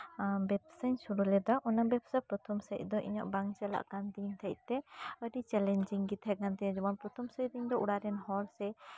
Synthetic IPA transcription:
bɛb̚səɲsuɾulɛd̪ɔʔɔnabɛbsapɾɔt̪ʰɔmsəc̚ˀd̪ɔʔḭɲɔ̰ʔbaŋt͡ʃɛla̰ʔkand̪int̪ʰəc̚t̪ɛəɖit͡ʃɛlɛɲd͡ʒiŋɡit̪ʰhɛɡant̪ɛd͡ʒɔmanpɾɔt̪ʰɔmsəcd̪iɲd̪ɔʔuɽaɾɛnhɔlsɛ

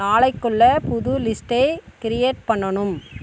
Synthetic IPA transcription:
aːɭɐɪkːɔɭːɐpʊðʊlɪsʈɐɪkɪɾɪjeːʈ̚pɐɳːɐɳɯm

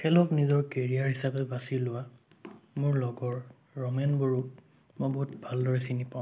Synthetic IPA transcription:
kʰɛlɔknizɔɹkeɹiaɹhisapɛbasilʊwa | mʊɹlɔɡɔɹː | ɔmɛnboɹu | mojboɦut̚bʱaldɔɹɛsinipaʊ̃

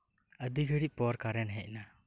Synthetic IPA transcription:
əd̪iɡʱəɽipɔɾkaɾɛnɦɛc̚ˀna

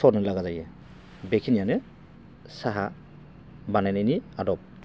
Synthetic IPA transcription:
sɔnɯlaɡazajɛ | bekʰinijanɛ | saɦa | banajneniadɔp̚

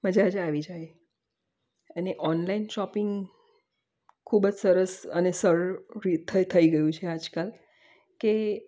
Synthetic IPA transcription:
məd͡ʒad͡ʒaʋid͡ʒaje | əneʔɔnlainʃɔpɪŋɡ | kʰubəd͡ʒsəɾəsənesəɾɾit̪ʰət̪ʰəiɡəjũt͡ʃʰead͡ʒkal | ke

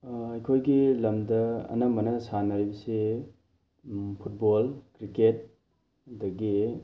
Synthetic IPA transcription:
ɐjkʰojɡilɐmdɐɐ̰nɐmɐnɐsanajbɐse | pʰut̚bolkɾiket̚ | dɐɡi

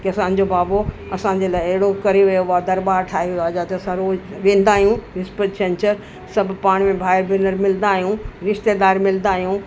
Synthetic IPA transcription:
kiɐsãːn̆d͡ʑobaːboɐsãɲ̆d͡ʑeːlaːɪɐɦɪɽokɐɾeʋɐjobaːd̪ɐɾbaːɾʈʰaːɦiaːd͡ʑaːt̪ɐɐsãɾoːʋẽːn̆d̪aːɦijũɾɪspəʈsɛ̃ɲt͡ɕəɾ | sɐbʱpaːɽ̃mẽbʱaːɪɾbɪnəɾmɪln̆d̪aːɦijũɾɪʃt̪ed̪aːɾmɪlnd̪aːɦijũ

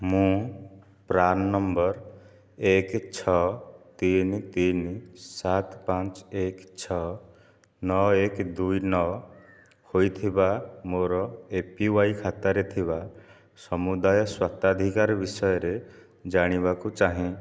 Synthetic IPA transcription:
mũ | pɾanːɔmbɔɾ | ekt͡ʃʰɔt̪int̪insat̪pãt͡ʃekt͡ʃʰɔ | nɔekd̪ujnɔ | hojt̪ʰibamoɾɔepiwajkʰat̪aɾet̪ʰiba | sɔmud̪ajɔswat̪ad̪ʱikaɾɔbisɔjɔɾe | d͡ʒaɽ̃ibakut͡ʃaɦĩ

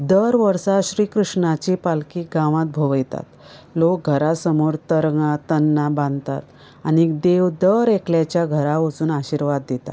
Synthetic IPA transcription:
d̪əɾʋəɾsaɕɾiːkɾuʂɳat͡ɕipalkiːɡãʋãt̪̚bʱoʋəjt̪a̰t̪ | lok̚ɡʱəɾasəmoɾt̪əɾŋat̪ənːabãnd̪t̪a̰t̪ | anid̪eʋd̪əɾekljat͡ɕjaɡʱəɾaot͡suːnaɕiɾʋad̪ːet̪a̰

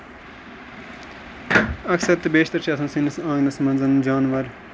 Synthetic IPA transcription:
ɐksɐɾt̪ɨbeːʃt̪ɐɾt͡ʃʰɐsʰɐ̃nsinɐsãːŋnɐsmɐnzɐnd͡ʒaːnʋɐɾ

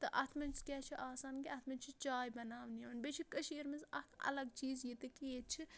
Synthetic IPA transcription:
t̪ɨʔɐt̪ʰmɐnt͡skʲɛːt͡ʃʰiʔaːsaːnkiɐt̪ʰmɐnt͡ʃʰit͡ʃaːjbɐnaːʋniʋɐnbet͡ʃʰikɐʃiɐɾmɐzɐt̪ʰɐ̰lɐɡt͡ʃiːzjit̪ɨkiet͡ʃʰi

